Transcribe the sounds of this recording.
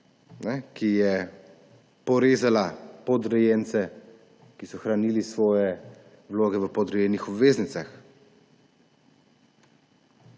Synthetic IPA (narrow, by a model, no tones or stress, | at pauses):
nɛkijɛ | pɔɾeːzalapɔd̪ɾɛjɛnt̪sɛ | kisɔxɾaniːlisʋɔːjɛ | ʋloːɡɛʋəpɔd̪ɾɛjɛnixɔbʋeːznit̪sax